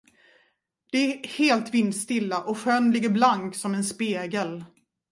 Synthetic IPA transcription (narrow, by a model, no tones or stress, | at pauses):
d̪̥ɛæheːlt̪vɪnːst̪ɪlːaʔɔɧœnlɪɡːəɾblaŋksɔmɛnspeːɡəl